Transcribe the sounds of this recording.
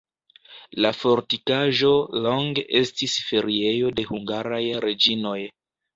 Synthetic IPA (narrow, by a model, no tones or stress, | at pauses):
lafo̞ɾtikaʒo̞lo̞ŋɡeʔe̞stisfe̞ɾie̞jo̞de̞huŋɡaɾajɾe̞d͡ʒino̞j